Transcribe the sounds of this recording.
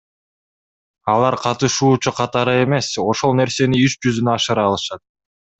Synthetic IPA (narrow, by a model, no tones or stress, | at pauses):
ɑlˠɑɾqʰɑt̪ɯʃuːt͡ʃuqʰɑt̪ɑɾɯe̞me̞so̞ʃo̞lˠne̞ɾse̞niyʃd͡ʒyzynøɑʃɯɾɑːlˠɯʃɑt̪̚